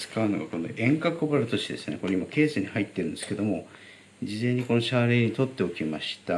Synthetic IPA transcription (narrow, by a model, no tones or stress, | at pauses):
t͡sɨ̥kaɯnoɡa̰ko̞no̰ʔẽ̞ŋkakɯbaɾɯ̟t̪o̞ɕt̪ed̪esɨne̞̰koɾeimake̞ːsɨɲ̟ihait̪ːe̞ɾɯ̃nd̪e̞sɨ̥ke̞d̪o̞mo̞ | d͡ʑizẽ̞ɲ̟ːiko̞no̞ɕaɾeɲit̪o̞t̪ːe̞o̞kʲimaɕi̥t̪a